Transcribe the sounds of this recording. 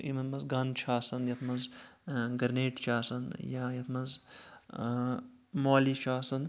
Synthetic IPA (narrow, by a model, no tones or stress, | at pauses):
imɐnmɐzɡɐnt͡ʃʰaːsɐnd̪jɐt̪ʰmɐnzɡɐɾneːʈt͡ʃʰaːsɐnjajɐt̪ʰmɐnz | moːlit͡ʃʰaːsɐnd̪